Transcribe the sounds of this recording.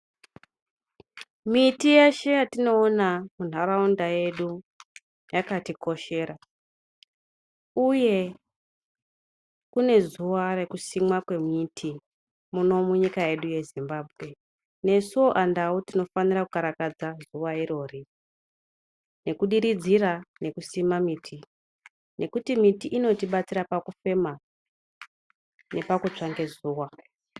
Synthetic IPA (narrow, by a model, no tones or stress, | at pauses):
mitijeʃe̞jatino̞ːnamun̤aɾaundaje̞ɗu | jakatikʰo̞ʃe̞ːɾa | uje̞ | kune̞zuʋare̞kusimwakwe̞mitʰi | muno̞muɲikaje̞ɗuje̞zimbaːbʱɣe̞ | ne̞suoʔandautino̞fanirakukaɾakad͡zazuʋaiɾo̞ːri | ne̞kuɗiɾid͡zirane̞kusimamiːtʰi | nʔe̞kutimitiʔino̞tiɓat͡siɾapakufe̞ma | ne̞pakut͡ʂaŋɡe̞zuːwa